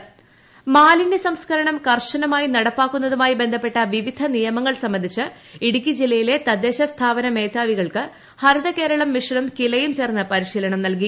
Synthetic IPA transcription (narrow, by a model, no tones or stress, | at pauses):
maːlinisɐmskʰɐɾɐɳɐmkɐrʂɐnɐmaːjinɐɽɐpːaːkːunːɐðumaːjibe̞nd̪ʱɐpːe̞ʈːɐʋiʋid̪ʱɐnijɐmɐŋːɐɭsɐmbɐnd̪ʱit͡ɕːɨ | iɽukʲːid͡ʑilːɐjile̞t̪ɐd̪ːe̞ːɕɐst̪ʰaːbɐnɐmeːt̪aːʋiɣɐɭkɨ | hɐɾɨd̪ɐke̞ːɾɐɭɐmːiʂɐɳumkilɐjumt͡ɕe̞ːrnːɐpɐɾiɕiːlɐɳɐmnɐlk̬i